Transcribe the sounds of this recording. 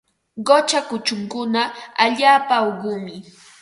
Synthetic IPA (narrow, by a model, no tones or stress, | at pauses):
ɢot͡ʃakʊt͡ʃʊŋkʊnaaʎaːpaowɢʊːmɪ